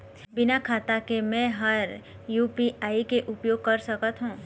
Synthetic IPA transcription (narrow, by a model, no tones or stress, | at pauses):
bɪnakʰaːt̪akemɛ̃ːɦɐɾ | juːpiaːikeʔʊpjoːɡ̚kɐɾsɐkət̪ɦũː